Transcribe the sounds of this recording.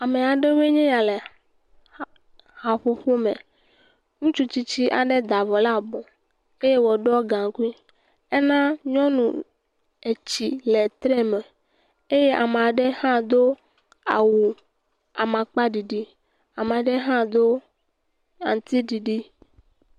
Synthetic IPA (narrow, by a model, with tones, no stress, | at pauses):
a˨me˨a˨ɖe˦we˦ɲɛ̃˦ja˨le˨ | ha˨ɸo˦ɸo˦mḛ˨ | ŋũ˦t͡ʃu˦t͡ɕi˦t͡ɕi˦ʔa̰˨ɖe˦d̪a˨vɔ˨la˦bɔ̃˨ | e˦je˦wɔ˨ɖɔ˦ɡã˨ŋ˦ku˦i˦ | e˦nã˦ɲɔ̃˦nũ˨ | e˨t͡ɕi˨le˨t̪ɾe˦mɛ˨ | e˦je˦ʔa˨me˨a˨ɖe˦hã˦d̪o˦ | a̰˨wu˨ | a˨mã˨k͡pa˦ɖi˨ɖi˦ | a˨me˨a˨ɖe˦ɦã˦d̪o˦ | a̰˨n˨t̪i˦ɖi˨ɖi˦